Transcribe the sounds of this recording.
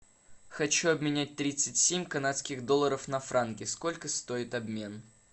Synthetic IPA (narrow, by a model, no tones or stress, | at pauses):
xɐt͡ɕuɐbmʲɪnʲæt̚ʲt̪ɾʲit̪sɨtʲsʲemʲkɐnat̪skʲɪɣd̪o̞lˠəɾəfnɐfɾʔankʲɪsko̞lʲkəst̪o̞ɪt̪ɐbmʲe̞n